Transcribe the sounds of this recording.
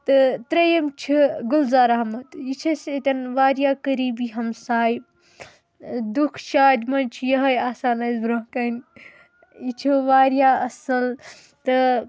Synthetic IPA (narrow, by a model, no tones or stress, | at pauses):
t̪ɨt̪ɾɐjɐmt͡ʃʰiɡulzaːɾaɦmɐt̪it͡ʃʰɐset̪ʲɐnʋaːɾjakɐɾiːbiɦɐmsaːjb | d̪ukʰʃaːd͡ʒmɐnt͡ʃʰijɐɦɐjaːsaːnɐzbɾɐɦkɐn | it͡ʃʰiʋaːɾjaɐsɐl | t̪ɨ